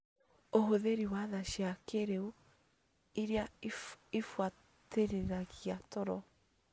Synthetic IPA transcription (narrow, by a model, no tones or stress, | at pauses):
oɦoðeɾiwaðaʃakeɾeu | iɾea | efwa | teɾeɾaɣiatɔɾɔ